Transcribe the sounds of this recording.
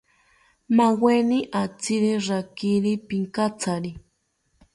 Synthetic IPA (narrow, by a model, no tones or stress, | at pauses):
maweniʔat͡siɾiɾakiɾipiŋkat͡saɾi